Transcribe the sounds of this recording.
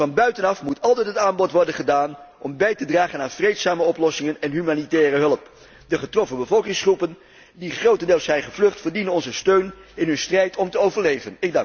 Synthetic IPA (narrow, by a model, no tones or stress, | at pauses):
ɑnbœɥtənɑfmutʰɑlˠtɛtɦətaːnbɔtʋɔɹdənχədaːnʔɔmbɛjtədraːχənaːnv̥rejtsaːməɔplɔsɪŋənɛnɦymaːnitɛːrəɦɵləp | dəχətrɔfəbəvɔlˠkɪŋsχrupən | diχrowtəndeːlˠsɛjnχəvlɵχtfəɹdinənɔnzəstøɥnɪnɦɵnstrɛjtʰɔmtəowvəɹlejvənɪɡ̚dɑ